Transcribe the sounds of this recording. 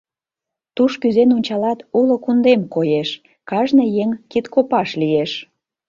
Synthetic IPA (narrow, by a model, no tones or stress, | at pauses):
t̪uʃkyzenonʲt͡ɕɑlɑt̪ulokund̪emkojeʃ | kɑʒnɤ̆jeŋkit̪kopɑʃlijeʃ